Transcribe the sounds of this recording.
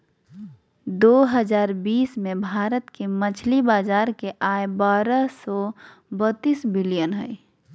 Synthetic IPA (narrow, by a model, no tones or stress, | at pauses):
d̪oːɦəd͡ʒaːɾbiːsmẽbʱaːɾət̪kemət͡ʃʰlibaːzaːɾkeʔaebaːɾəsɔ | bət̪ːiːsbɪlijənɦɛi